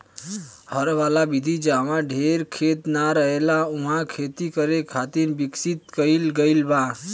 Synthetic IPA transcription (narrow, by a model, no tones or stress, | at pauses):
həɾʋalabid̪ʱid͡ʒaʋãɖʱeɾkʰet̪naɾəɦelauɦãkʰet̪ikəɾekʰat̪iɾbiksit̪kəɪlɡəɪlba